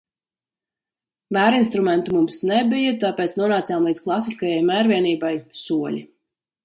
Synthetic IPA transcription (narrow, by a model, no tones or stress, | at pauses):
mæːɾinst̪ɾumɛnt̪umumsnɛbijat̪aːpɛːt̪snuɔnaːt̪sjaːmlˠiːd̪sklˠasiskajajmæːɾviɛniːbajsuɔlʲi